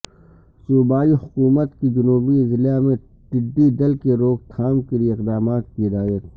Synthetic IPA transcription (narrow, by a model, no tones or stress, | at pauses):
suːbaːihʊkuːmət̪kid͡ʒʊnuːbiɪzlijamẽ | ʈɪɖːid̪ɐlkeɾoːɡ̚t̪ʰaːmkelijeɪqd̪aːmaːt̪̚kiɪd̪aːjət̪̚